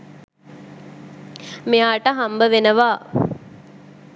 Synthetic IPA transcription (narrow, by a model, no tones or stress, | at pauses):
mijaːʈəɦambəʋenəʋaː